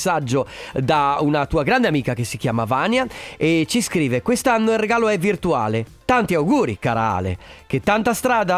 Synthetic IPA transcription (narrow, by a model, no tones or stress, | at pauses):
sːad͡ʒːo | d̪aunat̪uːaɡɾand̪amiːkak̟esːikjaːmavanjaet͡ʃːiskɾiːvekwest̪anːoɛrːɛɡaːloɛvːirt̪ua̰ːlet̪ant̪iawɡuːɾikaːɾaa̰ːlḛ | k̟et̪ːant̪ast̪ɾaːd̪a